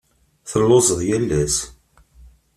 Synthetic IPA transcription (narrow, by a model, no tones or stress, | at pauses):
θəlːozəðˤjælːæs